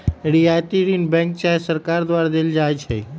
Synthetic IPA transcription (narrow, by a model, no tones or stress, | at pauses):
eɽiat̪iɾinbɛ̃ŋk̚t͡ʃaesəɾkaɾd̪ʋaɾad̪eld͡ʒajt͡ʃʰḛ